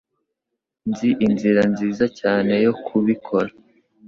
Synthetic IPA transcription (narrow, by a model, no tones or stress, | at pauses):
nziʔinziɾanziːzacaːne̞jo̞kʰuβikʰo̞ɾa